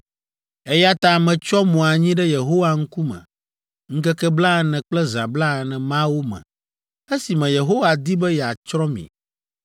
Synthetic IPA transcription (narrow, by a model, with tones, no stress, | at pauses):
ɛ˦ja˦t̪a˨mɛ̃˨t͡ʃɔ˦mɔ̃˨a˨ɲĩ˦ɖɛ˦je˨ɦo˦wa˨ŋ̩˦ku˦mɛ̰̃˨ | ŋ̩˦kɛ˦kɛ˦bla˦˨nɛ̃˨k͡plɛ˦zã˨bla˦˨nɛ̃˨mã˦wo˦mɛ̰̃˨ | e˦si˨mɛ̃˨je˨ɦo˦wa˨d̪i˦bɛ˦jɛ˨a˨t͡ʃɾɔ̃˦mḭ̃˨